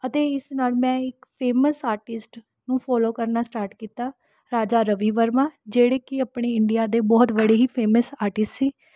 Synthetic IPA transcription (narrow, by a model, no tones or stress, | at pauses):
ət̪eːɪsnaːlmɛ̃ːɪkpʰeːməsaːɾʈɪsʈ | nũːpʰɔːloːkəɾnaːsʈaːɾʈkiːt̪aː | ɾaːd͡ʒaːɾəʋiːʋəɾmãːd͡ʒeːɽeːkɪəpɳeːɪɳɖɪjaːd̪eːbɔːt̪ʋəɽeːɦiːpʰeːməsaːɾʈɪsʈsiː